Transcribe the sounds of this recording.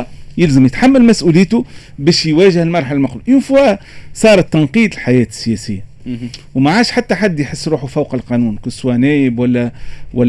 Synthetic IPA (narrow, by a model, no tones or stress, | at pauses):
jɪlzəmjət̪ħamːælmæsʔuːliːt̪ʊ | bɛːʃjwæːʒəhɪlmɑɾˤħalælmʊxluʔjufuæsˤɑːɾˤɑt̪ːɑnqiːd̪lħajɛːt̪ə̥sːɪjɛːsɪjːa | wmaʕaːʃħat̪ːæħad̪ːjħəsːɾuːħufawqɑlqɑnuːnkʊsːwænæːjɪbwælːæwæ